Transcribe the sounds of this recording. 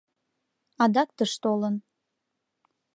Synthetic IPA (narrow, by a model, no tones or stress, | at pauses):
ɑd̪ɑkt̪əʃt̪olən